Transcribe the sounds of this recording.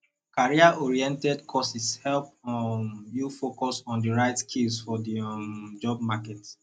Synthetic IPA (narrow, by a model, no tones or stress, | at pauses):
kaɹiaɔɹiɛ̃ntɛdkʰɔsishɛlp | jufokɔsɔ̃ndiɹaɪtskʰilsfɔdid͡ʒɔb̚makɛt